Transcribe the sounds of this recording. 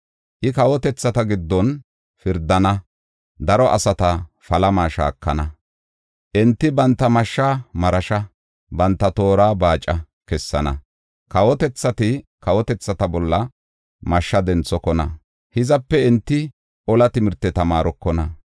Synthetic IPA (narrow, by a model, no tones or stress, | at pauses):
ʔɪkɐwɔt̪ɛt͡sːɐt̪ɐɡɪd̪ːɔn | fɪɾd̪ɐnɐ | d̪ɐɾɔʔɐ̰sɐt̪ɐ | fɐlɐmaːʃa̰ːkːɐnɐ | ʔɛnt̪ːɪbɐnt̪ːɐmɐʃːaːmɐɾɐʃɐ | bɐnt̪ːɐt̪o̞ːɾaːbaːt͡ʃʼːɐ | kɛsːɐnɐ | kɐwɔt̪ɛt͡sːɐt̪ɪkɐwɔt̪ɛt͡sːɐt̪ɐbɔlːɐ | mɐʃːɐd̪ɛnt͡sːɔkɔnɐ | hɪzɐpːɛɛnt̪ːɪ | ɔlɐt̪ɪmɪɾt̪ːɛt̪ɐmaːɾɔkːɔnɐ